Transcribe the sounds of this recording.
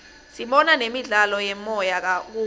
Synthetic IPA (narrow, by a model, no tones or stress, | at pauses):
siɓɔnanemiɮalɔjɛmɔjak̬ak̬uː